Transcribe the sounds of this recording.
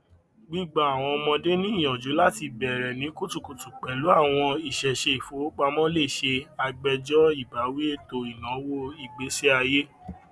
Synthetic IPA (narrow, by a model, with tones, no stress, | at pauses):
ɡ͡bi˦ɡ͡ba˨a˨w̃ɔ̃˧mɔ̃˧de˦nĩ˦i˦˨j̃ɔ̃˨d͡ʒu˨˦la˦ti˧bɛ˨ɾɛ˨nĩ˨˦ku˦tu˨ku˨tu˨k͡pɛ˨lu˨˦a˦˨w̃ɔ̃˧i˨ʃɛ˨ʃe˧i˨fo˨˦k͡pa˧mɔ̃˦le˦˨ʃe˧a˧ɡ͡bɛ˧d͡ʒɔ˦i˦˨ba˨˦wi˦e˦to˧i˨nã˨˦wo˦i˦˨ɡ͡be˨˦se˦a˧je˦